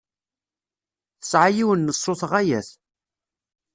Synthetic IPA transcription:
θə̥sʕajiwənːəsˤːʊθʁæjæθ

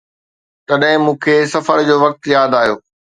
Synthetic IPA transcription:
t̪ɐɗɦɪ̃mũːkʰeːsɐfəɾd͡ʑoːʋɐk̚t̪jaːd̪aːjoː

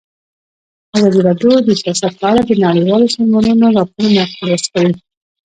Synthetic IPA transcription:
azɑd̪iɾɑd̪od̪əsjɑsat̪̚pəalad̪ənaɽejwɑlosɑzmɑnunoɾɑpoɾnaxaɾaskali

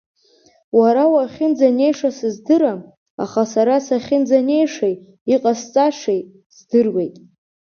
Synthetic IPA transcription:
waɾawaχʲɪnd͡zane̞jʂasɨzdɨɾam | a̰χasaɾasaχʲɪnd͡zane̞jʂej | iqʼast͡sʼaʂej | zdɨrwejtʼ

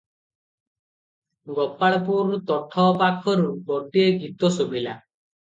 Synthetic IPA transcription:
ɡɔpaɭɔpuɾt̪ɔʈʰɔpakʰɔɾubɔɖieɡit̪ɔsobila

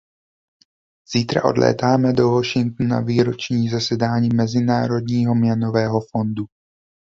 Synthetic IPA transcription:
z̥iːt̪ɾa̰ʔo̞̰dlʔɛ̰ːt̪aːmɛdo̞vo̞ʃɪŋt̪nuna̰viːɾo̞t͡ʃɲiːzasɛdaːɲiːmɛzɪnaːɾo̞dɲiːɦo̞mɲɛno̞vɛːɦo̞fo̞ndu

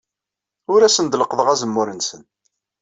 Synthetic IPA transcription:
ʊɾæsənd̪ləqəðˤəʁæzəmːʊɾənsən

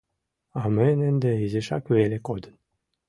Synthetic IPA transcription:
ɑmenənd̪eiziʃɑkβelekod̪ən

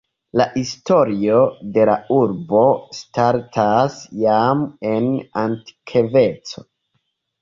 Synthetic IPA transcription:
laʔisto̞ɾio̞de̞la̰uɾbo̞staɾtʰasjame̞nanti̥kʰeve̞t͡so̞

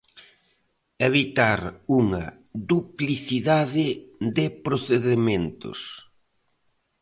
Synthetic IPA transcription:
eβit̪aɾuŋɐ | ðupliθiðaðɪðɪpɾoθeðemẽnt̪ʊ̰s

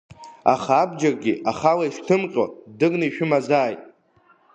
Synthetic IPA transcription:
a̰χaːbd͡ʒarɡʲiaχalaiʂtʰɨmqʲʼo̰dɨɡnaiʃᶣʊmazaːjtʼ

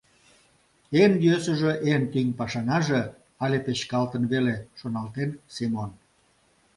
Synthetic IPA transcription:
enjøsə̆ʒeʔent̪yŋpɑʃɑnɑʒe | ɑlʲepet͡ɕkɑlt̪ənβeleʃonɑlt̪ensimon

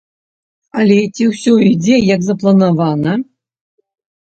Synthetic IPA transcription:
alʲɛt͡sʲiwsʲɔid͡zʲejakzɐplˠɐnavɑnə

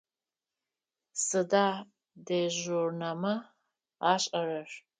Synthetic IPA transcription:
sɨdaː | deʒurnamɐ | aːɕʼɐrɐʂ

